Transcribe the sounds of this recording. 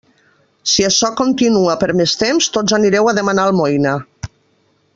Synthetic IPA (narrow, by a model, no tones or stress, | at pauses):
siaʃɔkont̪inuapəɾmest̪emst̪od͡zaniɾɛwaðemanalˠmojna